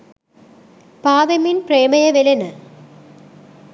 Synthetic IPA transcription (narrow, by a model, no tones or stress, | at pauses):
paːðɐminpreːmɐjɐʋelenɨ